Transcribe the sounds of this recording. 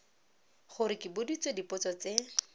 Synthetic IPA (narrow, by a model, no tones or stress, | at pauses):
χʊɾɪkɪbʊdit͡sedipʊt͡sɔt͡se